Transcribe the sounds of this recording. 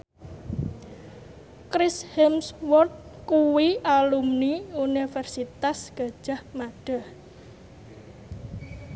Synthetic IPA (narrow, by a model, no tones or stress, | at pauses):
kɾɪshɛmswɔrt̪̚kuwialumniunifɛrsit̪asɡ̥ä̤̥ʒ̥a̤hmaɖ̥a̤h